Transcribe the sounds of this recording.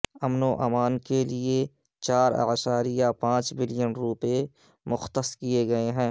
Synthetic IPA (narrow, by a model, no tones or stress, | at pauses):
ɐmnoʔa̰ːmaːnkelie | t͡ʃaːɾa̰ʃaːɾijapãːt͡ʃbɪlɪjənɾuːpe | mʊxt̪əskieɡɐeɦɛ̃ː